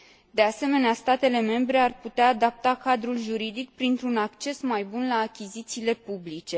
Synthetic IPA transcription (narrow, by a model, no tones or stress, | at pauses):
d̪e̞ase̞me̞neast̪at̪e̞le̞me̞mbɾe̞arput̪eaːd̪ap̚t̪akad̪ɾulʒuɾid̪ikpɾint̪ɾunakt͡ʃe̞smajbunlaːkʲizit̪siːle̞publit͡ʃe̞